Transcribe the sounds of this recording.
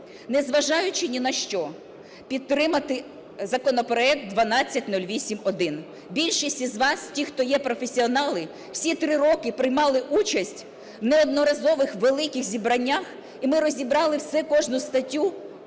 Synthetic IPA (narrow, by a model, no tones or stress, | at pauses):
nezʋɐʒɑjʊt͡ʃɪnʲinɐʃt͡ʃɔ | pʲid̪̚t̪ːɾɪmɐt̪ɪ | zɐkɔnɔpɾɔɛk̚t̪̚d̪ʋɐnɑt͡sʲːɐtʲnulʲʋʲisʲimɔd̪ɪn | bʲilʲʃɪsʲtʲizʋɑstʲixt̪ɔjɛpɾɔfesʲiɔnɑlˠɪ | w̥sʲit̪ɾɪɾɔkɪpɾɪjmɑlˠɪʔut͡ʃɐsʲtʲ | wneɔd̪nɔɾɐzɔʋɪxʋelˠɪkʲɪxzʲibɾɐnʲːax | imɪɾɔzʲibɾɑlˠɪwsɛkɔʒnʊst̪ɐtʲːu